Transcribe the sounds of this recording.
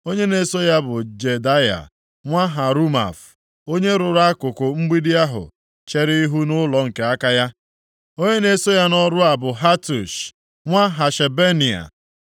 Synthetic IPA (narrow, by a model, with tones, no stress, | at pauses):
o˦ɲe˦ne˨so˦ja˦bʊ˨d͡ʒe˨da˦ja̰˨ | ŋʷa˦ɦa˨ɾu˦ma̰˨f | o˦ɲe˦ɾʊ˨ɾa˦kʊ˨kʊ˨ŋ͡m̩˦ɡ͡bi˦di˦a˦ɦʊ̰˨ | t͡ʃe˦ɾi˦i˦ɦu˦nʊ˦lɔ˨ŋ̩˨ke˨a˦ka˦ja˦ | o˦ɲe˦ne˦so˦ja˦nɔ˦ɾʊ˦a˨bʊ˨ɦa˦tu˨ʃ | ŋʷa˦ɦa˨ʃe˨be˦ni˨a̰˨